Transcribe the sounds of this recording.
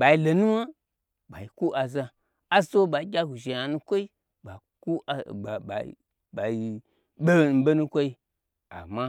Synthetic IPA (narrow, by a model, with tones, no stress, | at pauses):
ɓa˨i˧˦lo˨nũ˦ma˦ | ba˨i˨ku˦ʔa˨za˧ | a˦so˦ɓa˨i˦ɡʲa˦ɡu˨ʒe˨ja˨nũ˦kʷo˦i˦ | ba˨ku˦˨a̰˨ | ɓa˨i˨ | ɓe˦˨n̩˨be˦nũ˦kʷo˦i˧˦ | a̰˨mã˧